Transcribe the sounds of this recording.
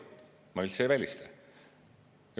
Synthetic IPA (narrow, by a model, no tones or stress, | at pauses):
mɑylʲseːvælʲist̪e